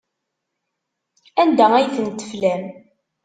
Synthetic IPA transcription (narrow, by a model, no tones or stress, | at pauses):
ænd̪ææjθənt̪ːə̥flæm